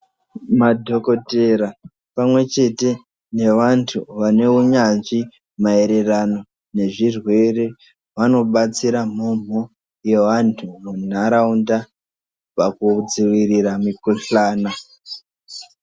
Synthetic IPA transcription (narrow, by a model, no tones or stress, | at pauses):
madʱo̞ko̞te̞ɾa | pamwe̞t͡ʃe̞te̞ | ne̞ʋantʰuʋane̞uɲanʐi | mae̞ɾe̞rano̞ | ne̞ʐirwe̞re̞ | ʋano̞ɓat͡siɾam̤om̤o̞ | je̞ʋantʰumun̤aɾaunda | pakud͡ziʋiriramikoɬaːna